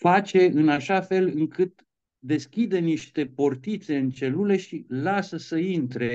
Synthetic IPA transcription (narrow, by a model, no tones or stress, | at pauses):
fat͡ʃe̞ɨnaʃafe̞lɨŋkʰɨt̪ | d̪e̞skʲid̪eniʃt̪e̞po̞rt̪it̪se̞ɨnt͡ʃe̞lule̞ʃilasəsəint̪ɾe̞